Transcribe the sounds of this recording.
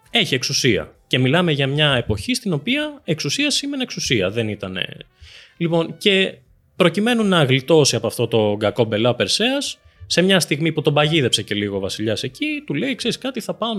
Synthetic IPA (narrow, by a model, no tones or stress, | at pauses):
e̞çie̞ksusiɐ̰ce̞milɐme̞ʝɐmɲɐe̞po̞çist̪ino̞piɐe̞ksusiɐsime̞neksusiɐ̰ðe̞nit̪ɐne̞̰ | lipo̞nce̞ | pɾo̞cime̞nunɐɣlit̪o̞siɐpoɐft̪o̞t̪o̞ɡɐko̞be̞lɐope̞ɾse̞ɐsː | e̞mɲɐst̪iɣmiput̪o̞bɐʝiðe̞pse̞ce̞liɣovɐsiʎɐse̞cit̪ule̞ikseɾiskɐt̪iθɐpɐn